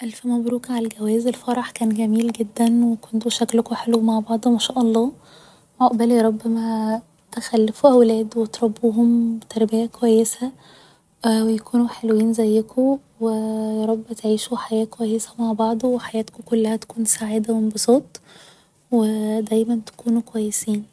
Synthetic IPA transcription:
ʔælfæmæbɾuːkʕalælɡæwæːzelfɑɾˤɑħkæːnɡæmiːlɡed̪ːænwekont̪oʃæklkoħelwmaʕbɑʕd̪ˤomæʃæːʔɑlˤːɑː | maʔbæliɾˤɑbːæmæ | t̪exælːefuʔæwlæːd̪wet̪ɾˤɑbːuːɦomt̪ɑɾˤbejækowæjːesæ | wejækʰuːnuħelwiːnzæjːæko | wejɑɾˤɑbːet̪ʕiːʃuħajæːkowæjːesæmaʕbɑʕd̪ˤoweħajæːt̪kokolːæhæt̪æ̥kuːnsaʕiːd̪æmenbosˤoːt̪ˤ | wed̪æjmænt̪æ̥kuːnukowæjːesiːn

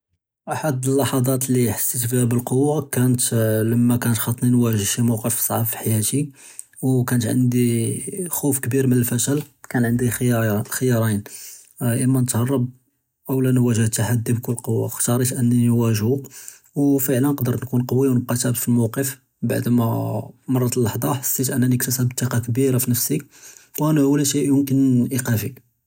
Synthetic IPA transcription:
ʔaħad̪əlːɑħɑd̪ˤɑt̪liħə̥sˤːit̪fihæbəlqowːakænət̪ləmːækænət̪xɑt̪ˤːninwæʒəʃimɑwqəfsˤɑʕɑbfi̥ħjæt̪i | wkænət̪ʕə̰nd̪ixufkbiɾmənəlfæʃəlkænʕənd̪ixəjɑɾˤin | ʔəmːænət̪hɑrˤːɑb̚ | ʔəwlænwæʒəht̪ːaħad̪ːibkʊlːqowːa̰xt̪ɑɾˤit̪ʔənːinwæʒu | wfəʕlənqd̪əɾˤnkunqɑwːiwnəb̚qɑt̪æbt̪filmɑwqəf | ba̰ʕd̪mæmɑrˤːɑt̪əlːɑħd̪ˤɑħə̥sːit̪ʔənːænəkt̪əsæbt̪ˤːiqɑk̬biɾafinəfsikwʔænæhwlæʃiʔjʊmkənʔiqæfi

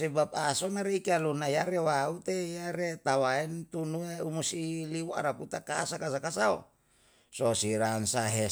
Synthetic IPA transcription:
sɛbap̚asonaɾeikalunajaɾewaut̪ejaɾet̪awaint̪unueumusiliwoa̰ɾaput̪akasakasakasao̰ | sosiɾansaɦɛ

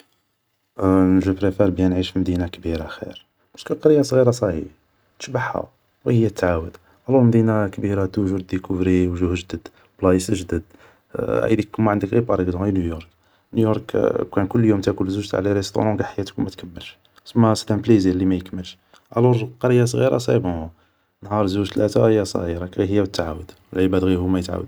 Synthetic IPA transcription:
nəʒəpɾefæɾˤbjænʕiʃfimd̪inakbiɾaxḭɾ | bæskəqɑɾjːasˤɣiɾɑsˤɑhḭb | t̪ə̥ʃbaħæ̰ | wihəjːæt̪ːʕawəd̪̥ | ʕælulməd̪inakbiɾat̪uʒuɾd̪ikuvɾiwʒuhəʒd̪əd̪ | blɑjəsəʒd̪əd̪ | æ̰jd̪ikːmːæʕənd̪əkɣipɑɾˤəɡd̪ɔ̃injujɔɾˤk | njujoɾˤkkænkʊlːjumt̪ækʊlzuʒt̪ʕlaɾəst̪ṵɾɑ̃mɡaħajæt̪əkwmæt̪kəmːəlʃ | səmːæst̪ænblizilːimæjəkməlʃ | ʕæ̰luɾqɑɾəjːas̬ˤɣḭɾa̰sˤḭbo | nɦɑɾˤzuʒt̪læt̪aɣəjːæsˤɣiɾɑkɣihəjːæwət̪ːʕa̰wəd̪wəlʕəbæd̪ɣihumæjət̪ʕa̰wəd̪

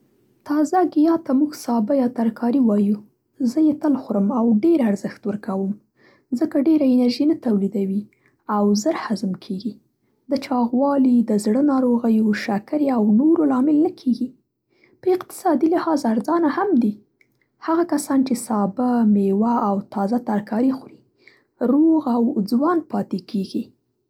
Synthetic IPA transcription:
t̪ɑzaɡijɑt̪amuɡsɑbajɑt̪aɾkʰɑɾiwɑju | zəjet̪əlxʊɾəmawɖeɾaɾzəxt̪wəɾkawəm | zəkaɖeɾaɪnaɾʒinat̪awlid̪awi | awzəɾhazəmkʰeɡi | d̪ət͡ʃɑɣwɑlid̪əzɽənɑɾoɣajuʃakaɾeawnoɾolɑmɪlnəkʰeɡi | pəɪqt̪ɪ̥sɑd̪ilahɑzaɾzɑnahamd̪i | haɣakasɑnt͡ʃesɑbamewaːwt̪ɑzat̪aɾkɑɾixɾi | ɾoɣawd͡zwɑnpɑt̪ekeɡi

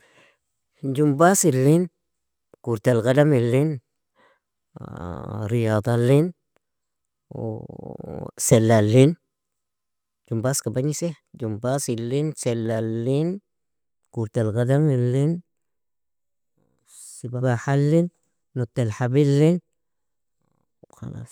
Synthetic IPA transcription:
d͡ʒumbasilːin | kuɾtalɡadamilːin | ɾijɑːd̪ˤɑlːin | selːalːin | d͡ʒumbaskabaɲise | d͡ʒumbasilːinselːalːin | kuɾt̪elɡadamilːin | sibabaħalːinː | ut̪ːelħabilːin | xɑ̰la̰ːs

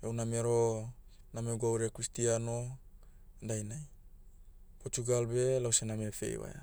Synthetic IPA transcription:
ewnameɾo | nameɡawɾiakɾistiano | ndajnaj | pot͡ʃuɡalbe̞lawsenamefe̞̰j̰wa̰ja

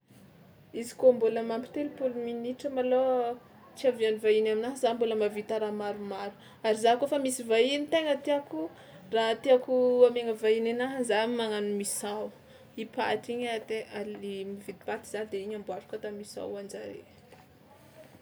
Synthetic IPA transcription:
izi̥kombuləmampi̥t̪elpuluminiʈ͡ʂəmalo | t͡siavianivainaminaɦzamboləmavit̪aɾamaɾumaɾu̥ | aɾizakofamisivainit̪eŋət̪iaku | rat̪iakuameŋəvainenaɦzamaŋanumisaw | ipa̰ʈ͡ʂiɲat̪ealimivit̪i̥pat̪i̥z̥anid̪eiɲambuaʈ͡ʂu̥kat̪amisa̰wand͡ʒaɾḛ

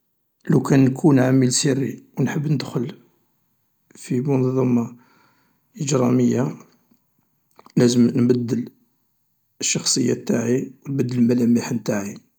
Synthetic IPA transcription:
lukænkʰunʕaməlsirːiwnħəbːnəd̪xʊl | fimʊnðˤːɑmːɑ | ʔəd͡ʒɾˤɑməjːa | læzəmnbəd̪ːəl | əʃːɑxsˤəjːæ̰t̪ːaʕiwnbəd̪ːəlmælæmiħənt̪aʕi

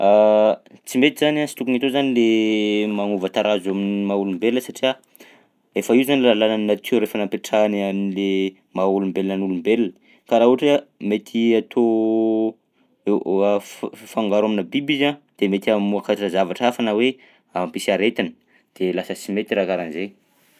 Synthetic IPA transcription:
a | t͡simet̪izanasi̥t̪ukuŋit̪ozanilemaŋuvət̪aɾazaminimaulumbelinəsaʈ͡ʂia | efaiuzanilalananinat̪ʰeɾefanampeʈ͡ʂananile | maulumbelinənulumbelnə̥ | kaɾaɦuɦaʈ͡ʂamet̪ʰiat̪ʰo | e | faŋɡaɾaminabibizad̪̥emet̪iamuakaʈ͡ʂəzavaʈ͡ʂafanəwe | ampisaɾet̪inə | d̪̥elasət͡simet̪iɾakaɾanze

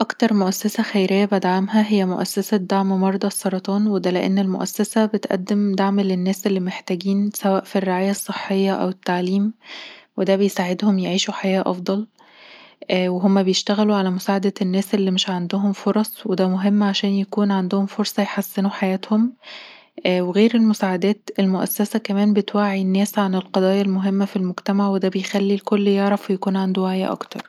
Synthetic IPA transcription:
ʔɑkt̪ɑɾˤmoʔæsːæsæxæjɾejːæbad̪ʕamɦæɦejːæmoʔæsːæsæd̪aʕmmɑɾˤd̪ˤɑsˤːɑɾˤɑt̪ˤɑːnwed̪æleʔḛnːelmo̰ʔæsːæsæbet̪ʔæ̰d̪ːemd̪aʕmlenːæːsʔelːimeħt̪æɡiːnsæwæːʔfirːeʕaːjæsˤːeħːejːɑʔæ̰wet̪ːaʕliːmwed̪æbejsaʕed̪homjeʕiːʃuħajæːʔʔɑ̰fd̪ˤɑl | ʔweɦomːæbejeʃt̪æɣæluʕalæmosaːʕad̪æenːæːsʔelːimɪʃʕand̪oɦomfoɾˤɑsˤwed̪æmoɦemːʕaʃæːnjækuːnʕand̪ohomfoɾsˤɑjeħasːenuħajæːt̪hom | ʔweɣeːɾelmosaːʕad̪æːt̪elmoʔæsːæsækæmæːnbet̪waʕːinːæːsʕanelqɑd̪ˤɑːjɑlmoɦemːæfilmoɡt̪æmaʕwed̪æbejxælːilkolːjeʕɾˤɑfwejækuːnʕand̪uwaʕjæ̰ʔɑ̰kt̪ɑɾˤ

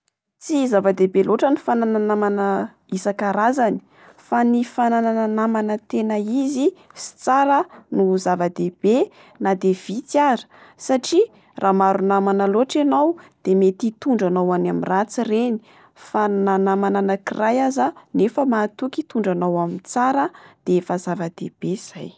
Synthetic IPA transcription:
t͡sizavad̪ebeloʈ͡ʂənifanananamanə | isakaɾazani̥ | fanifananananamanət̪enəizisi̥t͡saɾənuzavad̪eb̥e | nad̪ev̥it͡sjaɾə̥saʈ͡ʂi | rʔamaɾunamanəloʈ͡ʂanawd̪̥emet̪it̪uɳɖ͡ʐanawanamirat͡sireni̥ | fananamananəkirajazanefəmaːt̪ukit̪uɳɖ͡ʐanawamint͡saɾəd̪̥eefazavad̪̥eb̥ez̥aj

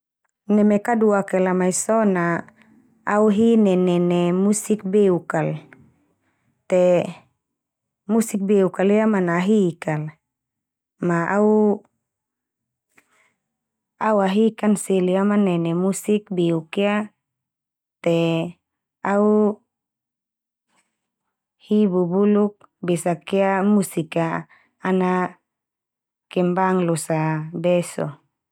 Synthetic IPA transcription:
nɛmɛkaduakɛlamaisɔna | auɦinɛnɛnɛmusik̚beukal | t̪ɛ | musik̚beukaliamanaɦikal | maʔau | auaɦikanseliamanɛnɛmusik̚biukea | t̪ɛ | au | hibubuluk̚ | besakeamusikaː | na | kɛmbaŋlosabɛsɔ̰

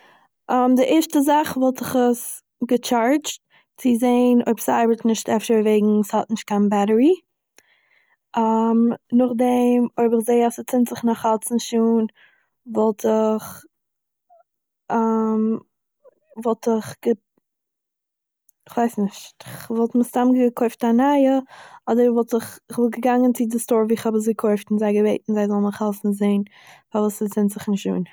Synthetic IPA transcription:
ʔamdɪʔɛʃtəzaχvɔlˠtɪχəs | ɡət͡ʃaɹt͡ʃt | t͡sɪzeɪno̰ʏbsaɪbətnɪʃtɛfʃəveɪɡŋ̩shɔtnɪʃt̚kʰanbaɾəɹi | amnʊχdɛmoɪbɪχzeɪasət͡sɪntz̥ɪχnɔχat͡sn̩ʃuːn | vɔlˠtʰɪχ | am | vɔlˠtɪχɡ̥ə | ɪχv̥aɪsnɪʃtɪχvɔlˠtmɪstamɡəkʰoɪftanaɪəɔdəɾvɔlˠtɪχɪχvɪlˠɡəɡaŋənt͡sɪdɪstɔɾviːɪχhɔbəs̬ɡəkʰoɪftɪnzaɪɡəveɪtn̩zaɪzɔlˠnɔχhalˠsn̩zeɪn | favuːsət͡sɪntz̥ɪχnɪʃṵːn

